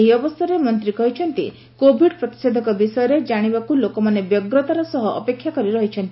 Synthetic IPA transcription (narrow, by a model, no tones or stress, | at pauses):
ɦiɔbɔst̪ʰɔɾemɔnt̪ɾikɔɦit͡ʃʰɔnt̪i | kobʱiɖpɾɔt̪i̥sed̪ʱɔkɔbisɔjɔɾed͡ʒaɽ̃ibakulokɔmanebjɔɡɾɔt̪aɾɔsɔɦɔʔɔpekʰːjakɔɾiɾɔɦit͡ʃʰɔnt̪i